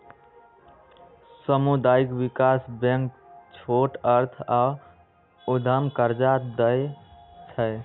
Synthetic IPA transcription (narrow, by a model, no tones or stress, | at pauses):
səmud̪aikbikasbẽŋk | t͡ʃʰoʈəɾt̪ʰa | ud̪ʱəmkəɾd͡ʒad̪əjt͡ʃʰəj